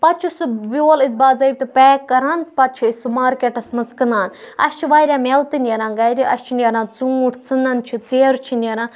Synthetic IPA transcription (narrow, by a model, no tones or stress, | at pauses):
pɐt͡ʃʰusubʲoːlizbaːzɐjbʲt̪ɨpeːkːɐɾaːnpɐt͡ʃʰiisumaːɾkeʈɐsmɐzkɨnaːn | ɐ̰st͡ʃʰiʋaːɾʲãːmelt̪ɨnʲeɾãːɡɐjɾiʔɐ̰st͡ʃʰinʲeɾãːt͡suːʈʰt͡sɨnɐnt͡ʃʰit͡seːɾt͡ʃʰinʲɐɾãː